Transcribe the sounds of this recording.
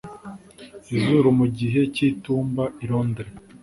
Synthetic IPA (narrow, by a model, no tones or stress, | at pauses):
izuɾumuɟiɦe̞ciːtuːmbaiɾo̞ːndeɾe